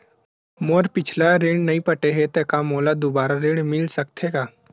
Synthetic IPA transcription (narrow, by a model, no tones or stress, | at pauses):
moːɾpɪt͡ʃʰlaɾeːɽnɐĩpɐʈeɦet̪ɛkamoːlad̪obaːɾaɾeːɽmɪlsɐkt̪ʰeːɡaː